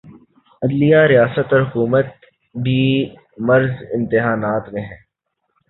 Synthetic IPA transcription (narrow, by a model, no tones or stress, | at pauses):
ɐd̪lijaɾijaːsət̪ɔːɾɦʊkuːmət̪̚ | biː | mɐɾzɪ̃nt̪ɪɦaːnaːt̪mẽɦɛ̃ː